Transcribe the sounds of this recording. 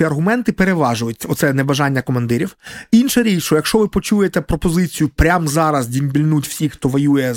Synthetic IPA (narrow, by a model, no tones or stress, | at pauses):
iɐrɦʊmɛnt̪ɪpeɾeʋɑʒʊjʊtʲːɐɔt̪sɛnɛbɐʒɑnʲːɐkɔmɐnd̪ɪɾʲiwinʃɛɾʲiʃɔjɐkʃt͡ʃɔʋɪpɔt͡ʃujet̪ɛpɾɔpɔzɪt͡sʲijʊpɾʲamzɑɾɐzdʲimbʲilʲnutʲwsʲixt̪ɔʋɔjujɛ